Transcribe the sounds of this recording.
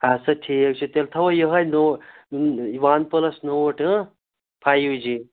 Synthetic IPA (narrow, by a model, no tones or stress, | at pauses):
ɐsɐʈʰiːkt͡ʃʰut̪elt̪ʰɐʋɐjəɦɐjʲno | iʋaːnpəlɐsnoʈʰɨ | pʰajud͡ʒi